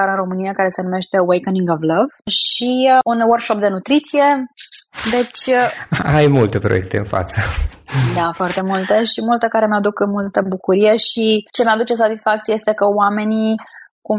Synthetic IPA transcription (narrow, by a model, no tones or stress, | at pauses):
aɾɨnro̞mɨnijakaɾe̞se̞nume̞ʃt̪e̞wejkəniŋɡovləvʃiunwərkʃo̞p̚d̪e̞nut̪ɾit̪sije̞ | d̪e̞t͡ʃʲajmult̪e̞pɾoje̞̰k̚t̪e̞ɨ̰nfa̰t̪səd̪afoart̪e̞mult̪e̞ʃimult̪əkaɾe̞mead̪ukɨnmult̪əbukuɾije̞ʃit͡ʃe̞mead̪ut͡ʃe̞sat̪isfakt̪sijejest̪e̞kəoame̞niku